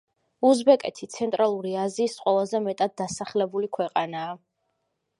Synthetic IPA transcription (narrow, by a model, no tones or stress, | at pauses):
uzbɛkʼɛt̪ʰit̪sʰɛnt̪ʼɾalˠuɾiaziːsqʼwɛlazɛmɛt̪ʼad̪̚ːasaχlɛbulikʰwɛqʼanaː